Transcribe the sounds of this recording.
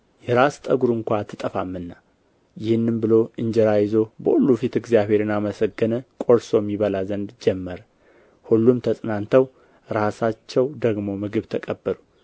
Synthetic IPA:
jɛɾast̪ʼəɡuɾɨŋkʷat̪ʰːɨt̪ʼəfamːɨnːa | jɪhɨnːɨmbɨlo̞ʔɨɲd͡ʒɛɾajɪzo̞bə̰ʔulːufit̪ɨɡzijaβe̞ɾɨnaməsəɡːənəkʼo̞ɾso̞mːiβəlazənd̪d͡ʒɛmːəɾə | hulːumt̪ʰəsʼnant̪ʰəw | ɾasat͡ʃːɛwd̪əɡmo̞mɨɡɨβt̪ʰəkʼəbːəlu

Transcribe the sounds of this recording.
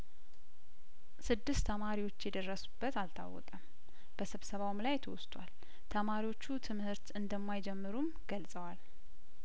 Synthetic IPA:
sɨd̪ːɨst̪ʰːəmaɾiwo̞t͡ʃːjɛd̪ərːəsu̥b̥ːət̪alt̪ʰa̰wːɔ̰kʼəm | b̥əsɨβsəβawmlajt̪ʰə̰wɔst̪ʰʼwa̰l | t̪ʰəmaɾiwo̞t͡ʃːut̪ʰɨmhɨɾt̪ɨnd̪əmːajd͡ʒɛmːɨɾum | ɡ̥əlsʼəwal

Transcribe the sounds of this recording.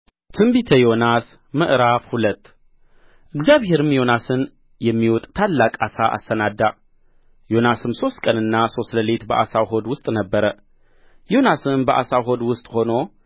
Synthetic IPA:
t̪ʰɨmbit̪ʰəjo̞nas | mɨʔɾafhulət̪ː | ʔɨɡzjaβhe̞ɾɨmjo̞nasɨn | jɛmːiwɔt̪ʼt̪ʰalːakʼasaʔa̰sːənad̪ːa | jo̞nasɨmso̞st̪kʼənɨnːaso̞st̪ləlet̪bəʔasawɦo̞d̪wʊst̪ʼnəbːəɾə | jo̞nasɨnbəʔa̰sawɦo̞d̪wʊst̪ʼho̞no̞

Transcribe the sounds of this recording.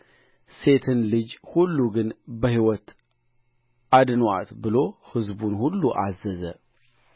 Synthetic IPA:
se̞t̪ʰɨnlɨd͡ʒhulːuɡɨnbəhiwɔt̪ | ʔad̪nwa̰t̪bɨlo̞hɨzbunhulːuʔazəzə

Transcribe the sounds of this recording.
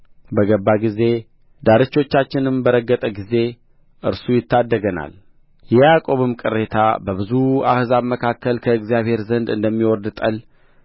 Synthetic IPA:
bəɡəbːaɡize̞ | d̪aɾɨt͡ʃːo̞t͡ʃːat͡ʃːɪnɨmbəɾəɡːət̪ʼəɡize̞ | ʔɨɾsujɪt̪ːad̪ːəɡəna̰l | jɛjakʼo̞βɨmkʼɨrːe̞t̪ʰa̰bəβɨzua̰hzaβməkʰakːəlkʰəɨɡzijaβhe̞ɾzənd̪ɨnd̪əmːiwɔɾd̪t̪ʼəl

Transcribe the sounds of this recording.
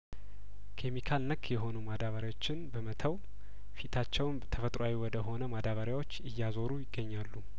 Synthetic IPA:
kʰemikʰalnəkːjɛɦo̞numad̪aβəɾjawot͡ʃːɪnbəmət̪ʰəw | fit̪ʰat͡ʃːɛwnt̪ʰəfət̪ʼɾoawiwɔd̪əɦo̞nəmad̪aβəɾjawo̞t͡ʃːɨjːazo̞ɾujɪɡːəɲːalːu

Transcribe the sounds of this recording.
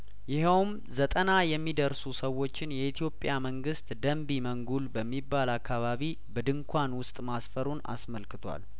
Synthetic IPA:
jɪɦɛwm | zət̪ʼənajɛmːid̪əɾsusəwːo̞t͡ʃːɪnjɛit̪ʰjo̞pʼːjaməŋɡɨst̪d̪əmbiməŋɡulbəmːibːalakːaβaβi | bəd̪ɨŋkʷʰanwʊst̪ʼmasfəɾuna̰sməlkɨt̪ʰʷa̰l

